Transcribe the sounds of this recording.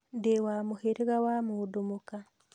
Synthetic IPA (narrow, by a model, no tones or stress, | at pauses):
ndewamuheɾiɣawamuːdumuka